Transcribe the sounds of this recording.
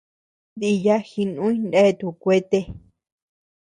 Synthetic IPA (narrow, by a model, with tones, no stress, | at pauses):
ði˧ja˦xi˧nũ˦ĩ˦nde˦˨t̪u˧˨kʷe˦t̪e˧˦